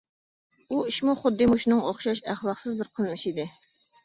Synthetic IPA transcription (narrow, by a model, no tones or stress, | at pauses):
uiʃmuχʊd̪ːɨmuʃnɨŋoχʃɑʃæχlˠɑqsɨzbɪɾqʰəlˠmɨʃid̪ɪ